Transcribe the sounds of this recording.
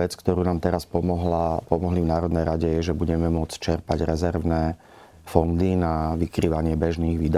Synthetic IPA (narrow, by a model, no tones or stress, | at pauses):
ɛt͡skt̪ɔɾuːnaːmt̪ɛɾaspɔmɔɦlapɔmɔɦlivnaːɾɔd̪nɛjɾaɟɛjɛʒɛbuɟɛmɛmʊɔt͡st͡ʃɛɾpaɟɾɛzɛɾʋnɛː | fɔnd̪inaʋikɾiːʋaɲɪɛbɛʒniːɣʋiːd̪a